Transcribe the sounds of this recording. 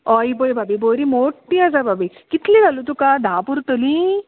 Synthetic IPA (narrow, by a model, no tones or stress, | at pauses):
ɔjbojbabiboːɾimoːʈːiɐzababikit̪liɾɐlut̪ukad̪ʱaːpuɾt̪oli